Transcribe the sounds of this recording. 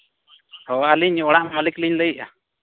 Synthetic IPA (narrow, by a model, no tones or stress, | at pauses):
hɔaliɲɔɽaʔmamalikliɲləjiʔa̰